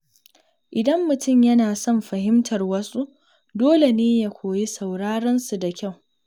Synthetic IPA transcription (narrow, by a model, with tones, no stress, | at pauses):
ʔɪ˨dɐ˦mːʊ˨tʊ˦˨mjɐ˦naː˨sɔ˦˨mɸɐ˨hɪ˦mtʰɐ˨rwɐ˦su˦ʔ | doː˦le˨neː˦ja˦kʷʰoː˨ji˦sa˨wɽaː˦ɽɐ˦nsu˨da˨kʲa˦˨w